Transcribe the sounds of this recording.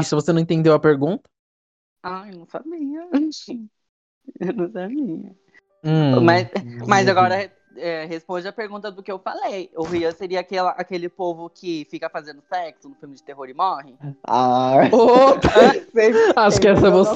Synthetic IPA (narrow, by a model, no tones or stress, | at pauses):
isʊvosenɐ̃ẽt̪ẽnd̪ewɐpeɾɡũnt̪ɐ̥ | anɐ̃w̃samiɲɐ̃ | nɐ̃w̃sabĩɲɐ̃ | mɐsmɐzaɡɔɾɐ | ɛɦespõd͡ʒɪɐpeɾɡũt̪ɐd̪ʊkɪewfalejʊhiɐseɾiɐakɛlɐʔakelɪpovʊkʰɪfikɐfazẽnd̪ʊsɛksʊnʊfiwmɪd͡ʒɪt̪eɦoɾɪmɔhɪaopseaʃʊkɪɛsɐɛvos